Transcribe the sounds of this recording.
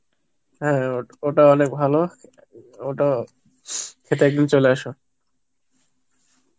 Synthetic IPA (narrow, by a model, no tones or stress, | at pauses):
ɦɛ̃ooʈaɔnek̚bʱalo | oʈa | kʰet̪eek̚d̪int͡ɕoleaʃo